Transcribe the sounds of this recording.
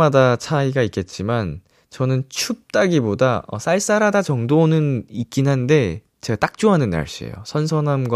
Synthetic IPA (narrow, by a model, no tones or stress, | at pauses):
adat͡ɕʰaiɡaik͈e̞t̚t͡ɕ͈iman | t͡ɕʌnɯnt͡ɕʰup̚t͈aɡibodaʌ̰s͈ʰaɭs͈aɾadat͡ɕʌŋdonɯnik͈inɦande̞ | t͡ɕe̞ɡat͈ak̚t͡ɕ͈oɦanɯnːa̰ɭɕ͈iḛjo̰sʰʌnsʰʌnamɡ